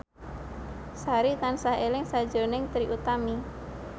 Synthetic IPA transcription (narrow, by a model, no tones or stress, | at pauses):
saɾit̪ansahelɪŋsḁd͡ʒo̤nɪŋt̪ɾiʔut̪ami